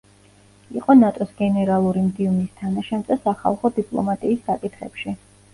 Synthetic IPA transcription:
iqʼɔnat̪ʼɔsɡɛnɛɾalˠuɾimd̪ivnist̪ʰanaʃand̪asaχa̰lˠχɔd̪ipʼlˠɔ̰mat̪ʼiːsːakʼit̪ʰχɛ̰pʃi

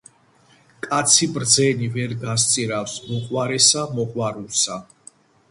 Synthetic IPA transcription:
kʼat̪sʰibɾd̪zɛnivɛɾɡas̬t̪sʼiɾafsmɔχwaɾɛsamɔχwaɾulsa

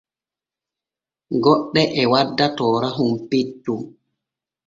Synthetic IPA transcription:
ɡɔɗːɛʔɛwadːatɔːɾaɦumpetːu

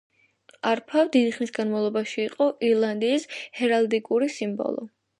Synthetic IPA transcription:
aɾpʰavd̪id̪iχnisɡanmavlˠɔbaʃiːqʼɔʔiɾlˠand̪iːshɛɾald̪ikʼuɾisimbɔ̰lˠɔ̰

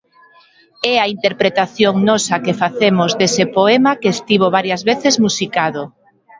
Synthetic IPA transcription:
ɛɐint̪eɾpɾet̪aθjoŋnɔsɐkefaθemozd̪esɪpoɛmakːst̪iβ̞oβ̞aɾjɐzβeθɪzmusikaðo

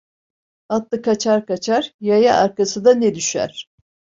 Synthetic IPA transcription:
at̪lˠɯkʰat͡ʃʰaɾkat͡ʃʰaɾjajaʔaɾkasɯd̪aned̪yʃæ̰ɾ̥

